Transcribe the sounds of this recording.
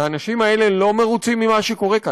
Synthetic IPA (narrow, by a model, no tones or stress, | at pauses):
aːnaʃimae̞le̞lome̞ʁut͡simːimaʃeko̞ʁe̞ka